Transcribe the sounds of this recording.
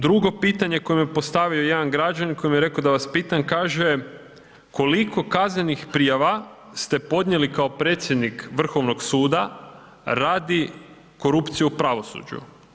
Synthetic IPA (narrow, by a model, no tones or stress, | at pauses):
d̪ɾuɡo̞piːt̪aɲe̞ko̞jemjepo̞st̪aʋio̞jed̪anɡɾad͡ʒaniko̞jimjeɾe̞ko̞d̪aʋaspiːt̪ankaːʒe | ko̞likʰo̞kaznenixpɾijaʋa | st̪e̞po̞d̪ɲe̞likao̞pɾe̞ːt̪sjed̪nikʋr̩xo̞ʋno̞ɡsuːd̪a | ɾaːd̪i | ko̞ɾupt̪sijuupɾaʋo̞sṵd͡ʒṵ